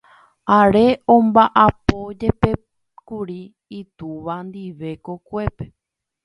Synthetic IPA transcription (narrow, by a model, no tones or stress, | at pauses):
aɾe̞õmbaʔapo̞d͡ʒe̞pe̞ | kuɾiː | t̪uʋand̪iʋe̞ko̞kʷe̞pe